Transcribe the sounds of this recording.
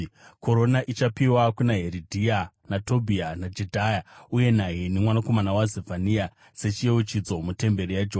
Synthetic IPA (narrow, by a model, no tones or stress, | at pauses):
kʰo̞ɾo̞naʔit͡ʃapiwakunaɦeɾidʱia | nato̞bʱianad͡ʒedʱajauje̞naɦinimwanako̞manawazevʱanija | se̞t͡ʃieut͡ʃid͡zo̞mute̞mbeɾijad͡ʒo